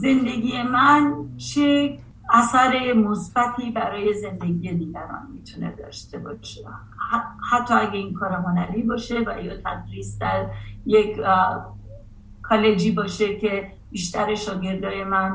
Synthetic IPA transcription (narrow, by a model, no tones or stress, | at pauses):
ze̞nd̪e̞ɡʲiːje̞mænt͡ʃʰe | æsæɾe̞mosbæt̪ʰiːbæɾɒːje̞ze̞nd̪e̞ɡije̞d̪iːɡæɾɒ̰ːnmit̪ʰune̞̰d̪ɒ̰ːʃt̪e̞bɒʃe | hæt̪ʰːɒːæɡe̞iːnkʰɒːɾeɦonæliːbɒːʃe̞væ̰jɒt̪ʰæd̪ɾiːsd̪æɾjekʰ | kʰɒːle̞d͡ʒiːbɒːʃe̞cʰe̞ | b̥iːʃt̪ʰæɾeʃɒːɟe̞ɾd̪ɒːje̞mæn